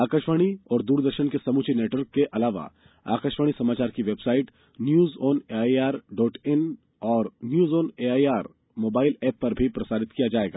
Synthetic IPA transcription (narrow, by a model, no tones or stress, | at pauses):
aːkəʃʋaɽ̃iɔːɾd̪uːɾd̪əɾʃənkesɐmuːt͡ʃʰineːʈʋəɾkːeʔɐlaːʋa̰ | a̰ːkəʃʋaɽ̃isɐmaːt͡ʃaːɾkiʋeːbsaːɪʈ | njuːzɔːneaːiaːɾɖɔːʈɪn | ɔːɾnjuːzɔːneaːiaːɾ | moːbaːɪlɛːpːɐɾbʱipɾɐsaːɾɪt̪kijad͡ʒaːeːɡa̰ː